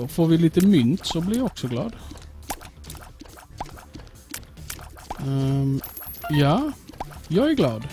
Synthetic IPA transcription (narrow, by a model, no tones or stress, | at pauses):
ɔfoːɾʋɪliːt̪əmʏnt̪sɔblɪɾjæɔksɔɡlɑ̰ːd̪ | jɑː | jɑæɡlɑːd̪